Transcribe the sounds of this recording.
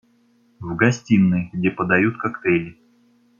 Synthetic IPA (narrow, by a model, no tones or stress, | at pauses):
vɡɐsʲtʲinːɨɡdʲepəd̪ɐjut̪kakt̪ɛlʲɪ